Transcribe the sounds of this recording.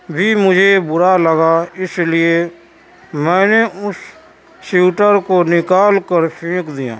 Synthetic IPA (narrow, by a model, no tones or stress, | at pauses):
bʱimʊd͡ʒʱebʊɾaləɡaɪslɪe | mɛ̃ːneʊsː | uːʈəɾkonɪkaːlkəɾʃʰɪ̃ːkd̪ɪjã̰ː